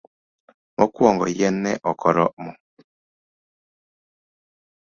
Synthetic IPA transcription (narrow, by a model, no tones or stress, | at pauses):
mɔkwɔŋɡɔ̰jɛnːɛʔɔkʰɔɾɔmɔ